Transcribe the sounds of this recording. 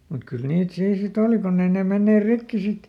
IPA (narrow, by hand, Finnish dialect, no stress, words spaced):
mut kyl niːt siː sit oˑli kunː ei neˑ menːeːr rikːi sit